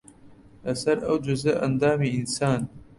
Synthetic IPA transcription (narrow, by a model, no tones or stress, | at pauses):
asaɾawd͡ʒʊzaʔa̰nd̪ɑːmiɪnsɑːn